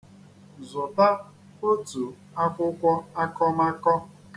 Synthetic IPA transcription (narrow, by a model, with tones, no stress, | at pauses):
zʊ˨ta˦ | o˦tu˨ | a˦kʷʊ˦kʷɔ˦a˦kɔ˦ma˦kɔ˦